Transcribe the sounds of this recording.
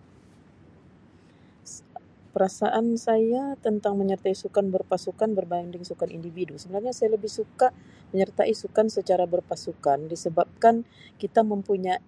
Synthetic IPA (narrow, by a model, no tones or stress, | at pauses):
pəɾasaʔansajat̪ənt̪aŋməɲərt̪aisukanbərpasukanbərbaŋdɪŋsukanḭndividusəbənarɲasajaləbɪhsuka | məɲərt̪aʔisukansət͡ʃaɾabərpasukandisəbap̚kankit̪aməmpuɲa